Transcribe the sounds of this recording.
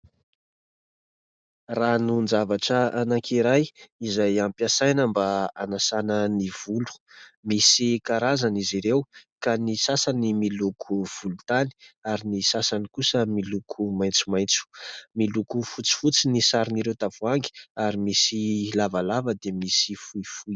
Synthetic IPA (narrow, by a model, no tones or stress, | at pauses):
ranund͡zavaʈ͡ʂəanakʰiɾajizajampjasajnəmbaanasanəniv̥ulu̥misikaɾazaniziɾewkanisasanimilukʰuv̥ulut̪ani̥aɾinisasanikusəmilukʰumajnt͡sumajnt͡su̥milukufut͡si̥fut͡sinisaɾiniɾewt̪avuaŋɡi̥aɾimisilavalavəd̪emisifuifuj